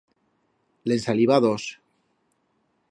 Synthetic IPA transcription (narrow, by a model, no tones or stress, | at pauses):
lensaliβaðos